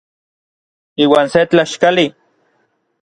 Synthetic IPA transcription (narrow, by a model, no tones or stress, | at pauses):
iːwaːnset͡ɬaʃkali